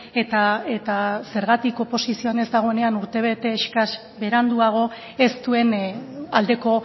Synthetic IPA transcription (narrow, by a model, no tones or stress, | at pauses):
et̪ae̞t̪ase̞ɾɣat̪iko̞po̞sisio̞ane̞zd̪aɣ̞o̞e̞ne̞anuɾt̪e̞β̞e̞t̪e̞ːʃkas | be̞ɾand̪uaɣ̞o̞ | e̞st̪ue̞nald̪e̞ko̞